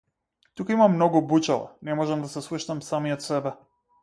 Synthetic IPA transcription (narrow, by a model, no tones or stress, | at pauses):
t̪ukaimamːnɔɡubut͡ʃalˠa̰nɛmɔʒɛmd̪asɛslˠuʃnamsamijɔt̪sɛbɛ